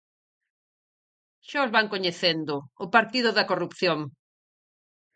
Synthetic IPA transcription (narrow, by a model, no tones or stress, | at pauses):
ʃaʊzβaŋkoɲeθend̪ʊʊpaɾt̪iðʊðɐkorupθjoŋ